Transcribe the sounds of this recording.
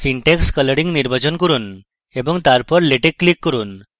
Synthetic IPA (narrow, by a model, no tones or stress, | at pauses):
siɳʈekskələɽiŋniɾbad͡ʒɔnkɔɾun | ebɔŋt̪aɾpɔɾleʈekːlikːɔɾun